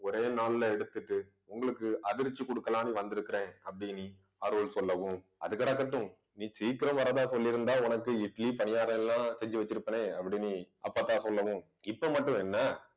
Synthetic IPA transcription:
ɔɾeːnaːllɐɛɽɯt̪ːɯʈːɯ | ʊŋɡɐɭɯkːɯɐðɪɾt͡ʃːɯkɔɽɯkːɐlaːniʋɐnd̪ɪɾɯkːɪɾẽːɐpːɐɽɪni | ɐɾʋɯlsɔlːɐʋɯ̃ | ʔɐ̰ðɯkːɐɽakːɐʈːʊ̃ | nĩːsiːkɪɾɐmʋɐɾɐðaːsɔlːɪɾɯnd̪aːʊnɐkːɯɪʈlipɐɳɪjaːɾɐ̃ɛlːãːsɛɲd͡ʒɯʋɐt͡ʃːɪɾɯpːɐneːɐpːɐɽɪni | ɐ̰pːat̪ːãːsɔlːɐʋɯ̃ | ɪpːoːmɐʈːʊ̃ɛnːɐ

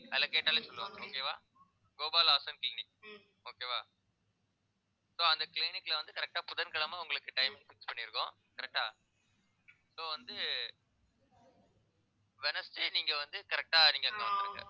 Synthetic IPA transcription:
ɐlːɐkeːʈːaːlesɔlːɯʋõ̰oːkeːʋaː | ɡoːbaːlaːsɐnklɪnɪk̚ː | oːkeːʋaː | soːɐnd̪ɐklɪnɪkːlɐʋɐnd̪ɯkɐɾɛk̚ʈaːpʊðɐnkɐɭɐmaːʊŋɡɐɭɯkːɯʈɐɪmɪkːfɪkspɐɳːɪɾɯkːʊ̰̃ | kɐɾɛk̚ʈaː | soːʋɐnd̪ɯ | ʋɛnɐsʈeniːŋɡɐʋɐnd̪ɯkɐɾɛk̚ʈaːniːŋɡɐɐŋɡɐʋɐnd̪ɪɾɯkːɐ̰

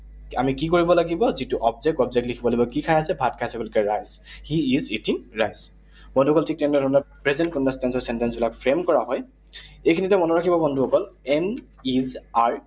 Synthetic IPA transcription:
a̰mikikoɹibɔlaɡibɔzituʔɔbzɛk̚tɔbzɛk̚tlikʰibɔlojbɔkikʰajasɛbʱatkʰajsɛkulʊkɛɹajzhiːzitiŋɹajz | bɔnduhɔkɔltʰik̚tɛnɛdʱɔnɔpɹezɛnt̚kɔndɔstɛnsɔɹsɛntɛnsbilakpʰɹemkɔɹaɦɔj | ejkʰinitɛmɔnɔɹakʰibɔbɔndʱuɦɔkɔlɛn | izaɹ

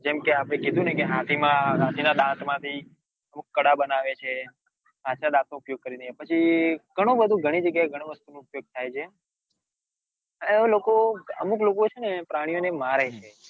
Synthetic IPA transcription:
d͡ʒɛmkeapɽ̃ẽkid̪ʱũnəkeɦat̪ʰimãɦãt̪ʰinad̪ãt̪mãt̪ʰi | əmukːəɽabənaʋet͡ʃʰe | ɦãt̪ʰinad̪ãt̪̚noːpjoɡ̚kəɾinəepət͡ʃʰiɡ̥ʱəɽ̃õbəd̪ʱũɡʱəɽ̃id͡ʒəɡjaeɡʱəɽ̃õʋəst̪unõːpjoɡ̚t̪ʰajt͡ʃʰe | ənelokoə̰muklokot͡ʃʰenepɾaɽ̃ijonemaɾet͡ʃʰe

